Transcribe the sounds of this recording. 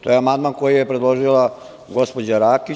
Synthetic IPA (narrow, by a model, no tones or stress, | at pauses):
t̪o̞jeamand̪manko̞jijepɾed̪lˠo̞ʒila | ɡo̞spo̞d͡ʑaɾaːki